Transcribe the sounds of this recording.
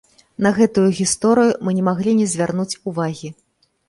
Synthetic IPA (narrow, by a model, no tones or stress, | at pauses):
nɐɣɛt̪ujuɣʲist̪ɔɾɨjumɨnʲɛmaɣlʲinʲɛzʲvʲarnut͡sʲuvaɣʲi